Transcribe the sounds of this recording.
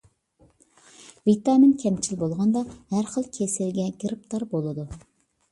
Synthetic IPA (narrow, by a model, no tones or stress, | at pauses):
vit̪ɑminkʲʰɛmt͡ʃʰilbolˠʁɑnd̪ɑhæɾχəlˠkʲʰesɪlɡʲɛɡʲəɾɨp̚t̪ʰɑɾbolˠɨd̪u